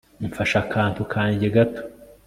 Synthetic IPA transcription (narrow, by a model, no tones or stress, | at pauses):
ɱfaʃakʰaːntukʰaːɲɟeɡatʰo̥